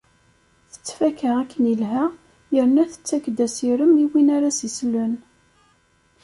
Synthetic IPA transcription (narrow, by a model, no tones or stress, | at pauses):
θə̥t͡sːfækəʁækːənilɦæ | jəɾnæθə̥t͡sːækd̪æsiɾəmiwinaɾasislən